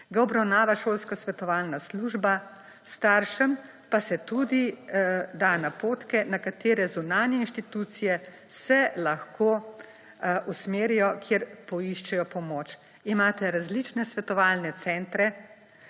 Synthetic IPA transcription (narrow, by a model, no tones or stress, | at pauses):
ɡaɔbɾawnaːʋaʃoːlskasʋɛt̪ɔʋaːlnasluʒba | st̪aːɾʃɛm | pasɛt̪ud̪i | d̪anapoːt̪kɛnakat̪eːɾɛzunaːnjɛinʃt̪it̪ut̪sijɛ | sɛlaxkʰoː | usmeːɾijɔkʰjeɾpɔiʃt͡ʃɛjɔpɔmot͡ʃ | imaːt̪ɛɾazlit͡ʃnɛsʋɛt̪ɔʋaːlnɛt̪sɛnt̪ɾɛ